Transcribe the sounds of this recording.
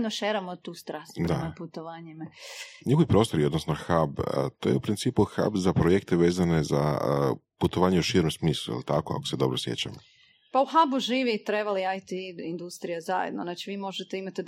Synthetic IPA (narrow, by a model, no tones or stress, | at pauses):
d̪noʃeɾamot̪uːst̪ɾasd̪a̰aput̪oʋaːɲimaɲixoʋipɾoːst̪o̞ɾio̞d̪nosno̞xabət̪o̞jeupɾint̪siːpuxa̰bzapɾojekt̪eʋe̞ːzane̞za̰ | put̪oʋaːɲeuʃiːɾomsmiːslˠṵjḛlˠt̪akoa̰kose̞d̪o̞bɾosjḛt͡ɕa̰mo | pauxabuʒiːʋiːt̪ɾebaliajt̪iind̪ust̪ɾijazajḛd̪noznaːt͡ʃiʋiːmo̞ʒet̪eimat̪e